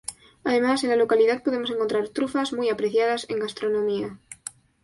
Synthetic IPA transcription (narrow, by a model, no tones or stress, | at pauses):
aðe̞mase̞nlalo̞kaliðað̚po̞ð̞e̞mo̞se̞ŋko̞nt̪ɾaɾt̪ɾufazmujapɾe̞θjaðase̞ŋɡast̪ɾo̞nõmia